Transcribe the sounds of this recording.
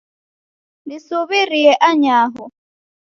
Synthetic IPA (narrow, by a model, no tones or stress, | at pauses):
disoβɪriɛʔaɲaːɦɔ